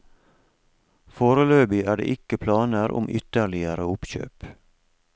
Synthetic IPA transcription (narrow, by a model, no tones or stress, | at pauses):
foːɾəløːbɪʔæːɖḛːʔɪkəpʰlɑːnəɾʔʊ̰mʔʏ̰t̪əɭɪəɾəʊpçø̰ːp